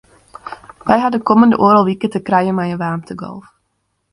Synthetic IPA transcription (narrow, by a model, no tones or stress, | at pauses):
ʋɛjɦɑdəkɔməndəʔoːɾəlˠʋikətəkrajəmajəʋaːmtəɡɔ̰lˠf